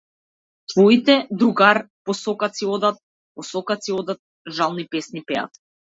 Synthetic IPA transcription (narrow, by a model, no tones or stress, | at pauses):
t̪vɔit̪ɛd̪ɾuɡaɾ | pɔsɔkasiɔd̪at̪̚ | pɔsɔkat̪siɔd̪at̪̚ | ʒalˠnipɛsnipɛa̰t̪